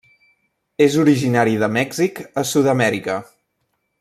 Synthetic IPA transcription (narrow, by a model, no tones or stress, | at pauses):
ezuɾiʒinaɾiðəmɛɡzikəsuðəmɛɾikə